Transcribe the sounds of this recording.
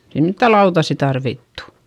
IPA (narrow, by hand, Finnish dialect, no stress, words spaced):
ei mitːæ lɑutɑsːi tɑrʋitːu̥